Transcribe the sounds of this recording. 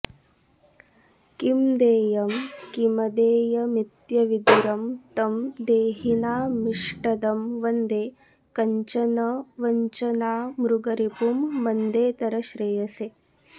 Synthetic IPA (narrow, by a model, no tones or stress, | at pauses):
kimd̪eːjɐmkimɐd̪eːjɐmit̪jɐʋid̪uɾɐmt̪ɐmd̪eːɦinaːmiʂʈɐd̪ɐmʋɐnd̪eː | kɐɲt͡ʃɐnɐʋɐɲt͡ʃɐnaːmɾuɡɐɾipumːɐnd̪eːt̪ɐɾɐʃɾeːjɐseː